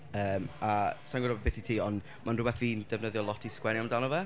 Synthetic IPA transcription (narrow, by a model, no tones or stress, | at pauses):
əːmasaŋɡɔɾɔbbɪtitʰiːɔnd | manrʊbɛθviːnd̥ɛvnəðjɔlˠɔtʰiskwɛnjamndanɔvɛ